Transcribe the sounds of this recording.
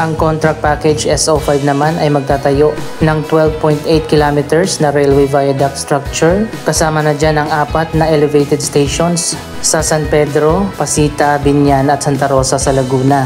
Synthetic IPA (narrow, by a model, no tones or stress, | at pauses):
ʔɐŋko̞nt̪ɾɐk̪̚paːkɛd͡ʒʔɛsʔofajbnɐmanɐjmɐɡ̚t̪aːt̪ɐjo̞ʔ | nɐŋt̪wɛlvpojnt̪ʔejt̪̚kɪlaːmɪt̪ɛɹsnɐɾɛlwɛjvajɐd̪ɐk̚st̪ɹak̚t͡ʃʊɹkɐsaːmɐnɐd͡ʒanɐŋʔaːpɐt̪̚nɐʔɛlɛvejt̪ɛd̪st̪ejʃonsː | ɐsɐnpɛd̪ɾo̞pɐsiːt̪ɐbɪnjanɐt̪̚sɐnt̪ɐɾo̞ːsɐsɐlɐɡuːnɐ